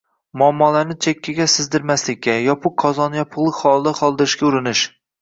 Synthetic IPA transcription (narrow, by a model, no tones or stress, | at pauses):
mʊamːɒlaɾnɪt͡ʃʰekʲʰːaɡʲasɪzd̪ɪɾmaslɪkʲːajɒpʰʊqqʰːɒzɒnjɒpʰʊʁlˠɨkχɒlˠd̪aχɒlˠd̪ɪɾɪʃkʲaʊɾɪnɪʃ